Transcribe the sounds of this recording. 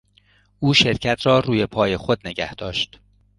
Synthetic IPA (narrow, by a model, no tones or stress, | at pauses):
ʔuːʃe̞ɾcʰæt̪ʰɾɒːɾuːje̞pʰɒːje̞xod̪̚ne̞ɡæhd̪̥ɒːʃt̪